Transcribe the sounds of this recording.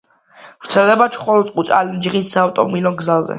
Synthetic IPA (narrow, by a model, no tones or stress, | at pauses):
vɾt̪sʰɛld̪ɛbat͡ʃʰχɔlɔt̪sʼqʼut̪sʼa̰lind͡ʒʁisːaːvt̪ʼɔmilɔɡzazɛ̰